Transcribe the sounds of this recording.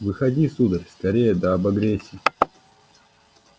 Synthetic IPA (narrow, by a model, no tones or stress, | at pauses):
vɨxɐdʲisud̪ərʲskɐɾʲejəd̪ɐːbɐɡɾʲesʲːiː